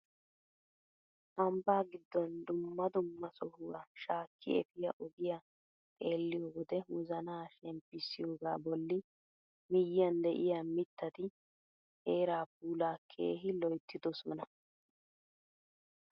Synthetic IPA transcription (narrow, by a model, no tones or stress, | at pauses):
ʔɐmbaːɡɪd̪ːɔnd̪ʊmːɐd̪ʊmːɐsɔhʊwaːʃaːkːɪ̰ɛ̰fɪjɐʔɔɡɪja | t̪ʼe̞ːlːɪjoːwɔd̪ɛwʊzɐnaːʃɛmpːɪsːɪjo̞ːɡaːbɔlːɪ | mɪjːɪjɐnd̪ɛʔɪjaːmɪt̪ːɐt̪ɪ | eːɾaːpuːlaːkʰḛːɦɪlɔjt̪ːɪd̪ɔsɔnɐ